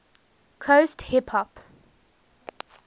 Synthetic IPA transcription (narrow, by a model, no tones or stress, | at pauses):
kʰosthipʰhɔp